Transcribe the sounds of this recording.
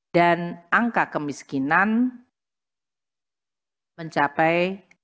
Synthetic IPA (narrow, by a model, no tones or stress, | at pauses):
d̥anaŋkakəmiskinan | məɲt͡ʃapɛj